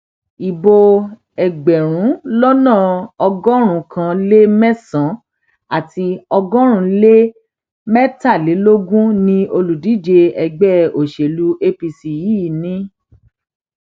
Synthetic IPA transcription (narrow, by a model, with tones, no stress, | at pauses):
i˨bo˧ | ɛ˨ɡ͡bɛ˨ɾ̃ũ˨˦lɔ˦nãː˦˨ɔ˧ɡɔ˦ɾ̃ũ˧˦kʰã˧le˦mɛ˦sã˨˦ | a˦˨ti˧ɔ˧ɡɔ̃˦ɾ̃ũ˧˦le˦ | mɛ˦ta˦˨le˨˦lo˦ɡũ˦nĩ˧o˧lu˨di˨˦d͡ʒe˧ɛ˧ɡ͡bɛ˦o˨ʃe˨lu˧˦ʔe˧pi˧si˧˨ji˨˦˨nĩ˨˦